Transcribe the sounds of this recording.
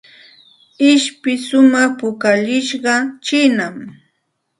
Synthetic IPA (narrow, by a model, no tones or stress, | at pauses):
ɪʃpɪsʊmɑχpʊkaʎɪʃɢɑt͡ʃɪnam